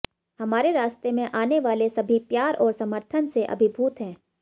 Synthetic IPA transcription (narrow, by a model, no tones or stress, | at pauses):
hɐmaːɾeɾaːst̪emẽʔaːneʋaːlesɐbʱipjaːɾʔɔːɾsɐməɾt̪ʰənseʔɐ̰bʱɪbʱuːt̪ɦɛ̃ː